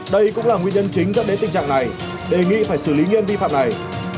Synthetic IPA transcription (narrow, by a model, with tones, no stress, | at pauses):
ɗə˧jkʊ̰˧˥ŋ͡mlaː˨˩ŋwi˧ɲə˧nt͡ɕï˨˦ŋ̟zə˦˥t̚ɗe˨˦t̪ï˨˩ŋ̟t͡ɕa̰ː˧˨ŋna˨˩j | ɗe˨˩ŋḭ˧˨faː˧˩jsɨ˧˩li˨˦ɲi˧ənvi˧fa̰ː˧˨mna˨˩j